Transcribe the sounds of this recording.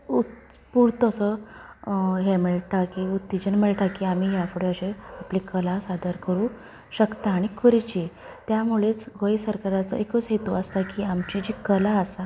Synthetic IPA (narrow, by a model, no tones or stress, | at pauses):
u | puɽt̪əsə | ɦemeɭeʈakiut̪ːid͡ʑənmeɭeʈakiamiɦjafuɽeəɕeaplikəlasad̪əɾkəɾũ | ɕəkt̪aːɽ̃ikəɾit͡ɕi | t̪jamuɭet͡sɡəjsəɾkaɾat͡sə̰ekət͡sɦet̪uəst̪akiːamt͡ɕid͡ʑikəlaəsa